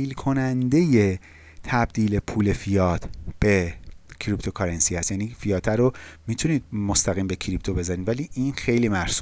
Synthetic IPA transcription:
iːlkʰo̞nænd̪e̞je̞ | t̪ʰæbd̪̥iːle̞pʰuːle̞fijɒːt̪ʰb̥e̞cʰɾipt̪ʰo̞kʰɒɾensiːhæst̪jæːniːfijɒːt̪ʰæɾomiːt̪ʰuniːd̪̚mo̞st̪æɣiːmbe̞cʰɾip̚t̪ʰo̞be̞zæniːd̪væliːʔiːnxe̞jliːmæɾsu

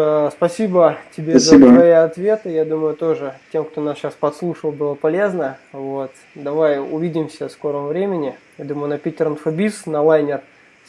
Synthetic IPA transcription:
spɐsʲibətʲɪbʲeszəib̪vɐiɐt̪vʲe̞t̪ɨjad̪uməjʊt̪o̞ʐɨtʲe̞mkt̪o̞nasɕaspɐt̪slˠuʂəlˠbɨlˠəpɐlʲe̞znəvo̞t̪ | d̪ɐvajʊ̰vʲidʲɪmsʲəsko̞ɾəmvɾʲemʲɪnʲɪjad̪uməjʊnɐpʲɪtʲɪɾənfɐbʲisnɐlˠajnʲɪr

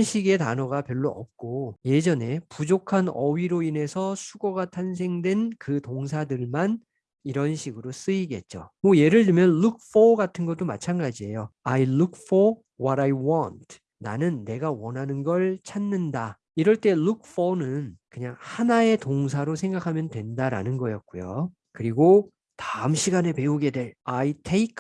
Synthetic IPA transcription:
nɕʰiɡe̞ta̰nʌɡapjʌɭːoʌ̰p̚k͈oje̞d͡ʑʌne̞pud͡ʑokʰanʌɥiɾoine̞sʰʌsʰuɡʌɡatʰans̬ʰe̞ŋdwe̞nkɯtoŋsʰadɯɭman | iɾʌnɕʰiɡɯɾos͈ɯiɡe̞̰t̚t͡ɕ͈o̰mwʌje̞ɾɯɭtɯmjʌnɭuk̚ʰfʌɡatʰɯnɡʌt͈oma̰t͡ɕʰanɡad͡ʑie̞joajluk̚fɔ | wʌɾajwʌntʰ | na̰nɯnːe̞ɡawʌnɦanɯnɡʌɭt͡ɕʰanːɯnda | iɾʌɭt͈e̞luk̚ʰfʌnɯnkɯɲaŋhanae̞toŋs̬ʰaɾosʰe̞ŋɡakʰamjʌndwe̞ndaɾa̰nɯnɡʌjʌt̚k͈ujo̰ | kɯɾiɡo | taɯmɕʰiɡane̞pe̞uɡe̞dwe̞ɾaitʰeikʰ

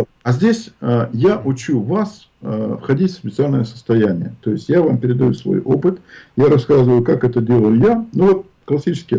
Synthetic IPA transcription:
ɐzʲdʲesʲəjaʔʊt͡ɕuvas | əfxɐdʲitʲfsʲpʲɪt̪sɨalʲnəjəsə̥st̪ɐjænʲɪjət̪o̞jɪsʲtʲjavampʲɪɾʲɪd̪ɐjusvo̞̰jʔo̞̰pɨt̪jaɾɐskazəɨvəjʊkakɛt̪ədʲe̞lˠəjʊjanuvo̞t̪̚ | klˠɐsʲit͡ɕɪ̥skʲɪ

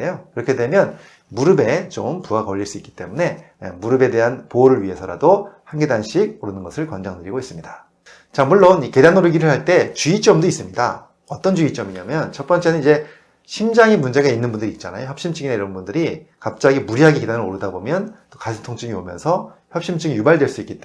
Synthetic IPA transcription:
ejokɯɾʌkʰedwe̞mjʌn | muɾɯbe̞t͡ɕompuɡakʌʎːiɭs͈uik͈it͈e̞mune̞̰ | muɾɯbe̞de̞ɦanpooɾɯɭɥiɦe̞sʰʌɾa̰dohanɡedanɕʰiɡ̚oɾɯnɯnɡʌsʰɯɭkʌnd͡ʑʌŋdɯɾiɡois͈ɯmɲida | t͡ɕamuɭːonike̞danoɾɯɡiɾɯɭhaɭt͈e̞t͡ɕuit͡ɕ͈ʌmdois͈ɯmɲida̰ | ʌt͈ʌnd͡ʑuit͡ɕ͈ʌmiɲamjʌnt͡ɕʰʌt̚p͈ʌnt͡ɕ͈e̞nɯnid͡ʑe̞ | ɕʰimd͡ʑaŋimund͡ʑe̞ɣainːɯnbundɯɾiːt̚t͡ɕ͈ana̰joçjʌp̚ɕ͈imt͡ɕʰɯɡinaiɾʌnbundɯɾi | kap̚t͡ɕ͈aɡimuɾiɦaɡikidanɯɾoɾɯdabomjʌnt͈okasʰɯtʰoŋt͡ɕʰɯŋiomjʌ̰nsʰʌçjʌp̚ɕ͈imt͡ɕʰɯɡijubaɭdwe̞ɭs͈uik͈it͈

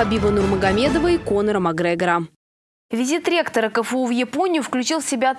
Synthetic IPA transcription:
ɐbʲivənurməɡɐmʲed̪əvəikonəɾəmɐɡɾɛɡɾam | vʲɪzʲit̪ɾʲekt̪əɾəkəfɨuvjɪponʲɪjʊfklʲʉt͡ɕilˠsʲɪbʲat̪

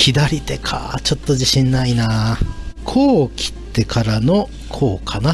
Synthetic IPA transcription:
kʲʰid̪aɾʲit̪e̞kʰa̰t͡ɕo̞t̪ːo̞ʑiɕĩnːaina | kʰo̞ːkʲʰi̥t̪ːe̞kʰaɾano̞ | kʰo̞ːkʰana

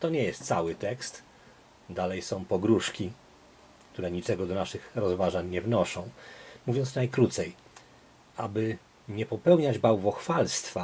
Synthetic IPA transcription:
t̪ɔɲɛjɛst̪sawɘt̪ɛkst̪ | d̪alɛjsɔ̃w̃pɔɡɾuʂkʲi | k̚t̪uɾɛɲit͡ʂɛɡɔd̪ɔnaʂɘxɾɔzvaʐaɲɲɛvnɔʂɔ̃w̃muvʲjɔnt̪snajkɾut̪sɛj | abɘ | ɲɛpɔpɛwɲad͡ʑbawvɔxfalst̪fa

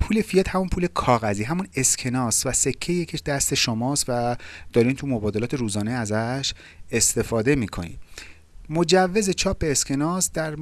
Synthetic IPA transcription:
pʰuːlefijet̪hæmunpʰuːle̞kʰɒːɣæziːɦæmune̞scʰe̞nɒːsvæse̞cʰːejecʰeʃd̪æst̪e̞ʃomɒːst̪væd̪̥ɒːɾiːnt̪ʰumo̞bɒːd̪elɒːt̪ʰe̞ɾuːzɒːneæzæʃ | e̞st̪e̞fɒːd̪e̞miːkʰo̞̰nḭːm | mo̞d͡ʒævːe̞ze̞t͡ʃʰɒːp̚be̞ːscʰe̞nɒːsd̪æɾ

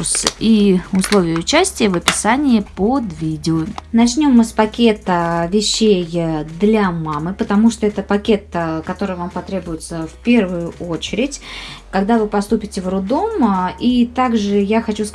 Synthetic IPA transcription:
siʊslˠo̞vʲɪjəʊt͡ɕæsʲtʲɪjəvəpʲɪ̥sanʲɪjəpod̪vʲidʲɪʊnɐt͡ɕnʲo̞mɨspɐkʲe̞t̪əvʲɪɕːejd̪lʲamamɨpət̪ɐmuʂt̪o̞ɛt̪əpɐkʲe̞t̪kɐt̪o̞ɾɨjvampɐt̪ɾʲe̞bʊjɪt̪səfpʲe̞rvʊjʊʔo̞t͡ɕɪɾʲɪtʲkɐɡd̪avɨpɐst̪upʲɪtʲɪvrʊd̪o̞mit̪aɡʐɨjaxɐt͡ɕus

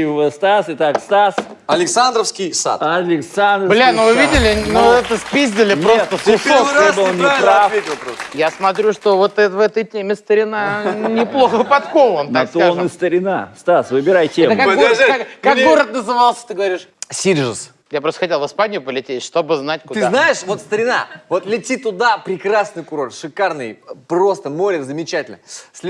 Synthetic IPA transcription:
vɨst̪asɨt̪akst̪as | ɐlʲɪksand̪ɾəfskʲijsa̰t̪ɐlʲɪksand̪ɾblʲanovɨvʲid̪ʲɪlʲɪnoɛt̪əspʲizʲd̪ʲɪlʲɪpɾot̪əsʊsoonavʲetʲɪlˠpɾost̪jasmɐt̪ɾʲuʂt̪o̞vo̞t̪ɛvɛt̪əjtʲemʲɪst̪əɾʲɪnanʲɪplˠo̞xəvɨpɐt̪kovont̪aksanːɨst̪əɾʲɪna̰st̪asvɨbʲɪɾajtʲɛemt̪əkakɡokakkakɡo̞ɾət̪̚nəzɨvalˠsʲə̥t̪ɨɡəvɐɾʲiʂsʲiɾʐɨs | japɾost̪ə̥xɐtʲelˠvɨspanʲɪjʊpəlʲɪtʲetʲʂt̪o̞bɨznatʲkkʊd̪ɨzanaɪʂvo̞t̪st̪əɾʲɪna̰vot̪lʲɪtʲit̪ʊd̪apɾʲɪkɾasnɨjkʊɾo̞rt̪ʂɨkarnɨjpro̞st̪əmoɾʲɪkzəmʲɪt͡ɕætʲɪlʲnə̰sʲlʲ

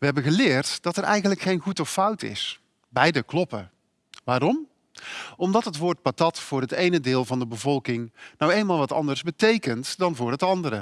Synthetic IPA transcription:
ʋəɦɛbənɣəlɪːɹtd̥ɑtɛɹɛ̰jɣəntləkχejnχutɔfʌwtɪ̰s | bɛjdəklɔpə | ʋaːɾɔm | ɔmdɑtɦətʋʊːɹt̚patɑtfʊːrɦətejnədɪːlˠvɑndəbəvɔlˠkɪŋnɔwejnmaːlˠʋɑtɑ̰ndəɹzbətejkəntdɑnvʊːɹɦətɑndəɾə

